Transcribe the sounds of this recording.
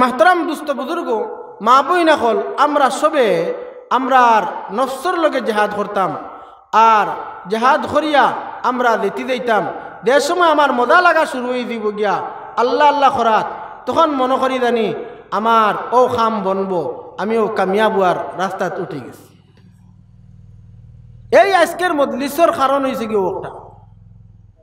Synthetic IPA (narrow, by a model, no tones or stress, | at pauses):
maɦt̪ɔɾamd̪ust̪ɔbuzuɾɡɔ | mabɔinakɔlamɾasɔbe | amɾaɾnɔfsɔɾlɔɡed͡ʒaɦad̪kɔɾt̪am | aɾd͡ʒaɦad̪kʰɔɾijaːmɾad̪et̪id̪ejt̪am | d̪eɾsɔmɔjamaɾmɔd̪alaɡasuɾuejd̪iboɡijaː | lːaːlːaxɔɾat̪̚ː | ɔxɔnmɔnɔkɔɾit̪aniamaɾɔwxʰambɔnbɔamiɔwkamijabuaɾːast̪at̪uʈʰiɡḭs | ejajskeɾmɔd̪lisɔɾxaɾɔnɦojseɡiɔwɔk̚ʈa̰